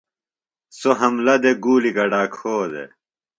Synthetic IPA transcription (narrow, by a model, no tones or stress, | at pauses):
soɦɐmlɐd̪eɡuːlikɐɖaːkʰoːd̪ḛ